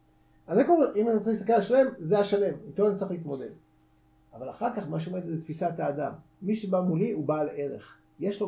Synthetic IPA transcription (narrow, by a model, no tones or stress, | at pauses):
azekoimanit͡ssist̪akelaʃale̞mzeaʃale̞mit̪oanit͡sʁiχliit̪mo̞d̪e̞d̪ | avalaχaʁkaχmaʃ̬eome̞d̪et̪zet̪fisat̪aːd̪amː | iʃebamuliubaːlʔeʁḛχ | je̞ʃlo